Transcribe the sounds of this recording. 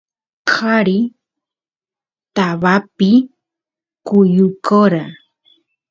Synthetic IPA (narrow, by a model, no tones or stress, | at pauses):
kʰaɾi | t̪aβapɪ | kʊjʊkoɾa